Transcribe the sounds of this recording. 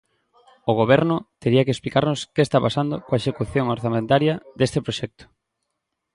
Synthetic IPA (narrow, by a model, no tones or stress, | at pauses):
oɣoβɛɾnʊt̪eɾiɐkesplikaɾnʊskeest̪apasand̪ʊkoaeʃekuθjoŋoɾθamẽnt̪aɾjɐd̪est̪epɾoʃɛk̚t̪ʊ̥